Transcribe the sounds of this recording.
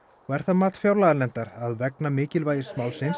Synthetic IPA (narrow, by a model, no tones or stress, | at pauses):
ɔɣɛɾ̥θaðmaːt̪fjawɾlaðaɾnɛnt̪aɾaðvɛknamɪːcɪlvaːjɪɾ̥smaːwlsɪns